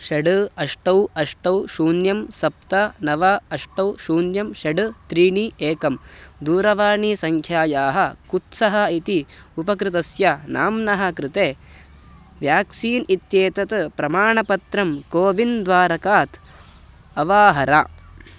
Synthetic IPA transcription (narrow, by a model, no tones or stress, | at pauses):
ʃɐɖɨɐʂʈɐwɐʂʈɐwʃuːnjɐmsɐp̚t̪ɐnɐʋɐɐʂʈɐwʃuːnjɐmʃɐɖɨt̪ɾiːɳieːkɐmd̪uːɾɐʋaːɳisɐŋkʰjaːjaːɦɐkut̪sɐɦɐit̪iupɐkɾɪt̪ɐsjɐnaːmnɐɦɐkɾɪt̪eː | ʋjaːksiːnit̪jeːt̪ɐt̪pɾɐmaːɳɐpɐt̪ɾɐmkoːʋind̪ʋaːɾɐkaːt̪ | ɐʋaːɦɐɾaː